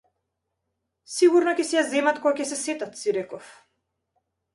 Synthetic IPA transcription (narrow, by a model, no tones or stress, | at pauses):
siɡuɾnɔkʲɛsɛjazɛmat̪kɔɡacʲɛsɛsɛt̪at̪siɾɛkɔf